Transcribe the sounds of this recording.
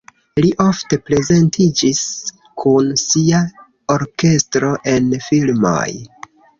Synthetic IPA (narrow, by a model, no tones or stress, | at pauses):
liʔo̞fte̞pɾe̞ze̞ntʰid͡ʒis | kʰunsia | oɾke̞stɾo̞ʔe̞nfilmo̰j